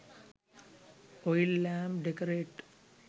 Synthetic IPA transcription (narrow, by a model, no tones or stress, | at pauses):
ojilːaːmɖekɐɾeːʈ